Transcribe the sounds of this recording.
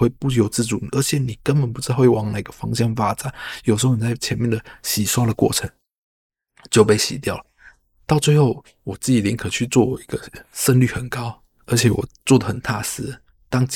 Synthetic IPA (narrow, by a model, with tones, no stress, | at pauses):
we˥˧ɪpu˥˧˩jo˧˥ʊt͡sɹ̩˥˩ʈ͡ʂu˨˩˨ə˞˧˥t͡ɕʰjɛ˨˦ni˨˩kə˥npə˨˩npu˧˥˧xwe˥˩ɪwɑ˧˥ŋna˨˩i˧ɡə˨fɑ˥ŋɕjɑ˥˩ŋfa˥t͡sa˨˩˦njo˨˩ʊʂ̩˧o˥ʊn˨˩t͡sa˥˩ɪt͡ɕʰjɛ˧˥nmjɛ˥˩nd̪ə˨˩ɕi˨˩swa˥lə˨kwɔ̰˥˩ʈ͡ʂʰə˧˥˦ŋ | t͡ɕjo˥˧ʊpe˥˩ɪɕḭ˨˥t̪jɑ˥˩ʊlə˨˩ | t̪ɑ˥˧ʊt͡swe˥˧ɪxo˥˩ʊ | wɔ˨˩t͡sɹ̩˥˩t͡ɕi˨˩lʲi˧˥ŋkʰɤ˨˩t͡ɕʰy˥˧t͡swɔ˥˩wɔ˨˩i˧˥ɡə˧sə˥˧nly˥˩xə˨˩nkɑ˦˥ʊ | ə˞˧˥t͡ɕʰjɛ˨˩˦wɔ̰˨˩t͡swɔ˥˩d̪ə˩xə˨˩nt̪ʰa˥˩sɹ̩˥ | t̪ɑ˥ŋ